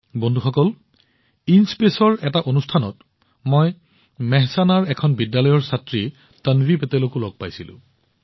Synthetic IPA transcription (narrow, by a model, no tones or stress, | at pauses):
bondʱuxɔkɔl | inspesɔɹɛtaʔonustʰanɔ̰t | moj | mɛɦsanaɹɛkʰɔnbidːalɔjɔɹsatɹi | tanvipɛtɛlokulɔɡ̚pajsilʊ̰̃